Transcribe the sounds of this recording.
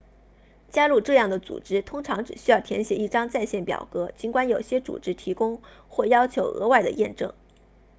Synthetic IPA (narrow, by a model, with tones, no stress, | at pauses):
t͡ɕja˥lu˥˧ʈ͡ʂɤ˥˧jɑ˥˩ŋd̪ə˩t͡sṵ˨˩ʈ͡ʂɻ̩˥t̪ʰʊ˥ŋʈ͡ʂʰɑ˧˥ŋʈ͡ʂɻ̩˨˩ɕy˥jɑ˥˩ʊt̪ʰjɛ̰˧˥nɕjɛ˧˥i˥˩ʈ͡ʂɑ˥ŋt͡sa˥˧ɪɕjɛ˥˩npjɑ̰˨˩ʊkɤ˧˥t͡ɕi˧˥ŋkwa˥njo˨˩ʊɕjɛ˥t͡sṵ˨˩ʈ͡ʂɻ̩˥t̪ʰi˧˥kʊ˥ŋ | xwɔ˥˩jɑ˥ʊt͡ɕʰjo˧˥ʊʔɤ̰˧˥wa˥˩ɪd̪ə̰˩jɛ˥˧nʈ͡ʂɤ̰˥˩ŋ